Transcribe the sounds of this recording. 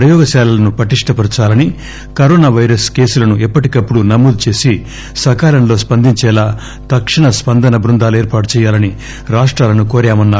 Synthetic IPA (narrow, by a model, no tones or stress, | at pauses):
pɾɐjɔːɡɐʃɛːlɐlɐnupɾɐʈiʂʈʰɐpɐɾt͡ʃaːlɐni | kɐɾoːnaːʋɐjɾɐske̞ːsulɐnuʔɛpːɐʈikɐpːuɽunɐmːuːd̪ut͡ʃe̞ːsi | sɐkaːlɐmnlo̞ːspɐnd̪ʱiɲt͡ʃɛːlaː | t̪ɐkʂiɳɐspɐnd̪ɐnɐbɾund̪aːlueːɾpaːʈ̬u̥t͡ʃɛːjaːlɐni | ɾaːʂʈɾaːlɐnukoːɾjaːmɐnːaːɾu